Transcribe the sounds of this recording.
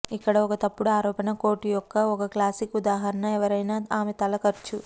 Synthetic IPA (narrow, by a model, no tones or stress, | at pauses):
ikːɐɽɐɔkɐt̪ɐpːuɽuaːɾɔːpɐnɐko̞ːʈijɔkːɐɔkɐklaːsikud̪aːɦɐɾɐnɐɛʋɐɾɐjnaːaːmet̪ɐlɐkɐɾt͡ʃu